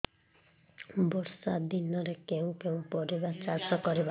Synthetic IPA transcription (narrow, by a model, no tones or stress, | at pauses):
bɔɾsad̪inɔɾekeũkeũpɔɾibat͡ʃaɾsɔkɔɾiba